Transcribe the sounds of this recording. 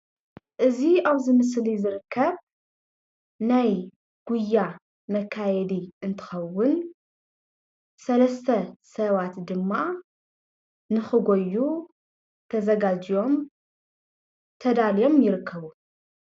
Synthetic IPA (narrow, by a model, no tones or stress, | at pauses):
ʔɨziaβzɨmɨs̬lizɨɾɨkʰːɐβ | naj | ɡ̥ujːa | mɐkʰːajɛd̪iɨnt̪ʰɨ̥xɐwːʊn | sɐlɐst̪ʰɐsɐβat̪d̪ɨmːa | nɨxɨɡojːu | t̪ʰɐzɐɡad͡ʒijo̞m | t̪ʰɐd̪alijo̞mjɪɾɨkʰːɐβu